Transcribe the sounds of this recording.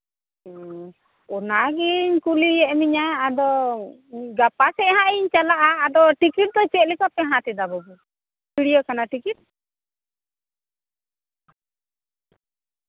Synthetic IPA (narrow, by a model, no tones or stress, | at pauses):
ɔnaɡiɲkuliɛʔmiɲaːd̪ɔ | ɡapasɛʔɦãʔiɲt͡ʃalaʔaːd̪ɔʈikiʈ̚d̪ɔt͡ʃɛt̪̚likɔpɛɦãt̪ɛd̪abɔbu | kiɽijɔkanaʈikit̪̚